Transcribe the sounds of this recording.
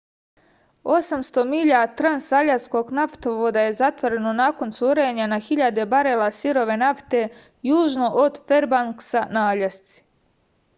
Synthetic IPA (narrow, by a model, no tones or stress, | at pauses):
o̞samst̪o̞miʎat̪ɾansaʎasko̞ɡnaft̪oʋod̪aje̞zat̪ʋo̞ɾe̞nonako̞nsuɾeɲanaxiʎad̪e̞baɾelasiɾo̞ʋe̞naft̪e̞ | juːʒno̞ʔod̪fe̞ɾbaŋksanaːʎast̪si̥